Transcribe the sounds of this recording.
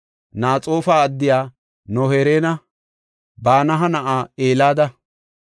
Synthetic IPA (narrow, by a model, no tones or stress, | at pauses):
naːt͡sʼo̞ːfaːɐd̪ːɪjaː | nɔheːɾeːnɐ | baːnɐɦɐnɐʔaːeːlaːd̪ɐ